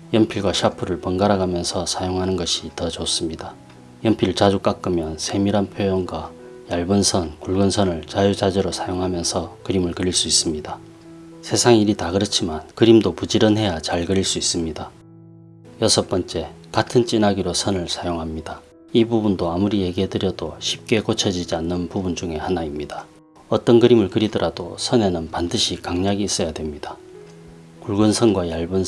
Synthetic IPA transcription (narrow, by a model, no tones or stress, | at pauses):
jʌmpʰiɭɡwaɕʰapʰɯɾɯɭpʌnɡaɾaɡamjʌnsʰʌsʰajoŋɦanɯnɡʌɕʰitʌd͡ʑʌs͈ɯmɲida | jʌmpʰiɭt͡ɕad͡ʑuk͈ak͈ɯmjʌnsʰe̞miɾanpʰjojʌŋɡwa | jaɭbɯnsʰʌnkuɭɡɯnsʰʌnɯɭt͡ɕajud͡ʑad͡ʑʌɾosʰajoŋɦamjʌnsʰʌkɯɾimɯɭkɯɾiɭs͈uis͈ɯmɲida | sʰe̞sʰaŋiɾitaɡɯɾɯt͡ɕʰimankɯɾimdopud͡ʑiɾɯnɦe̞jat͡ɕaɭɡɯɾiɭs͈uis͈ɯmɲida | jʌsʰʌp͈ʌnt͡ɕ͈e̞katʰɯnt͡ɕ͈inaɡiɾosʰʌnɯɭsʰajoŋɦamɲida | ibubundoamuɾije̞ɡiɦe̞dɯɾjʌdoɕʰip̚k͈e̞kot͡ɕʰʌd͡ʑid͡ʑianːɯnpubund͡ʑuŋe̞hanaimɲidḁ | ʌt͈ʌnkɯɾimɯɭkɯɾidʌɾʔad̥o̰sʰʌne̞nɯnpandɯɕʰikaŋɲaɡiːs͈ʌjadwe̞mɲida | kuɭɡɯnsʰʌnɡwajaɭbɯn